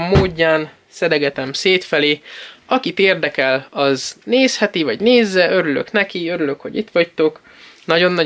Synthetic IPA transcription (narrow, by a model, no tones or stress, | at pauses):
mːoːɟːaːn | sɛd̪ɛɡɛt̪ɛmseːt̪fɛleːɒkit̪eːrd̪ɛkɛlɒzneːshɛt̪ivɒɟneːzːɛʔø̞ɾylø̰knɛkiø̞ɾylø̞kho̞̰ɟit̪ʋɒct̪o̞k | nɒɟo̞nːɒ